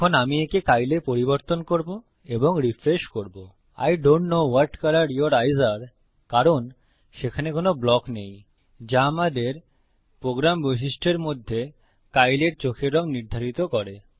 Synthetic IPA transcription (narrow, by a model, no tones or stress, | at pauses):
kʰonamiekekajlepoɾiboɾt̪onkoɾbo | eboŋɾifɾeʃkoɾbo | a̰jɖoɳʈnowaɾʈkalaɾioɾajzaɾ | kaɾon | ʃekʰanekonoblɔknej | d͡ʑamad̪eɾ | pɾoɡɾamboʃ̬iʃʈʰeɾmod̪ʱːe | kajleɾt͡ɕokʰeɾɔŋniɾd̪ʱaɾit̪okɔɾe